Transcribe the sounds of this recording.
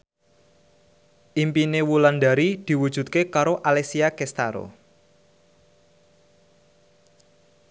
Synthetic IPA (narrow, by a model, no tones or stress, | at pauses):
ʔimpinewuland̪aɾid̪̥i̤wud̥ʒ̥ṳt̪̚kekaɾoʔalesiakɛst̪aɾo̰